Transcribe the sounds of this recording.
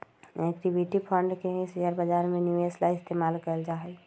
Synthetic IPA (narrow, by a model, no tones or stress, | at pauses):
ɛkʈibiʈipʰə̃ɳɖkeɦĩsijəɾbəd͡ʒaːɾmẽnjueslaɪst̪eːmaːlkəld͡ʒaːɦɛ